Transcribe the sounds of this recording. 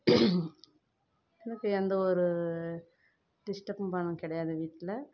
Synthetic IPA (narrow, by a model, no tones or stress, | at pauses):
ɛnɐkːɯɛnd̪ɐɔɾɯ | ɖɪsʈɐpːpɐɳːɯ̃kɪɽɐjaːðɐʋiːʈːɪlɐ